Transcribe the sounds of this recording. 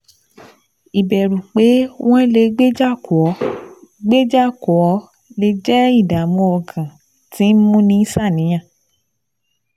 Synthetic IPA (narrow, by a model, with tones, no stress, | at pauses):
i˨bɛ˨ɾũ˨k͡pe˨˦w̃ɔ̃˦le˧ɡ͡be˦d͡ʒa˦˨ɔ˨˦ɡ͡be˦d͡ʒa˦kɔ˨ɔ˨˦ | le˧d͡ʒɛ˦i˦˨da˨mɔ̃˧ɔ˧˨ɡã˨ | ti˨˦mũ˦nĩ˧˦i˦sa˦˨nĩ˨˦ã˦˨